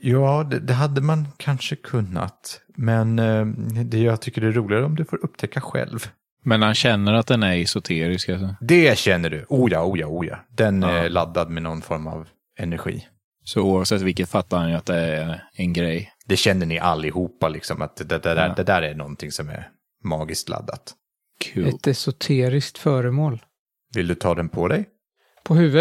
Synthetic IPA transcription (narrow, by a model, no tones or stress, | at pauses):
jɑːd̪ɛd̪ɛɦad̪ːəmankʰanʂəkʰɵnːa̰t̪mɛn | d̪ɛjɑɡt̪ʰʏkːəɖɛæɾuːlɪɡaɾəɔmd̪ɵfoːɾɵp̚ːt̪ʰɛkːaɧɛ̰lv | mɛnhanɕɛnːəɾat̪̚d̪ɛnæɾɛsʊt̪ʰeːɾɪskasɔd̪ɛɕɛnːəɖɵʔuːjɑːuːjɑːuːjɑ̰ːd̪ɛnɛlad̪ːad̪mɛnɔnːfɔɾma̰v | ɛnæɾɧḭː | sɔuːavsɛt̪ːvɪlkət̪fat̪ːaɾhanjɵat̪̚d̪ɛæɛnɡɾɛjːd̪ɛɕɛnːəɳɪʔalːɪhuːpːalɪksɔmat̪d̪ɛd̪ɛd̪æd̪ɛd̪æːɾæɳɔnt̪ʰɪŋsɔmɛ̰ɾ | mɑːɡɪst̪la̰d̪ːa̰t̪ | kʰʉɛt̪ɛsʊt̪ʰeːɾɪskt̪fœːɾəmoːl | vɪld̪ɵt̪ʰɑːd̪ɛnpʰɔd̪ɛj | pʰɔhʉːvə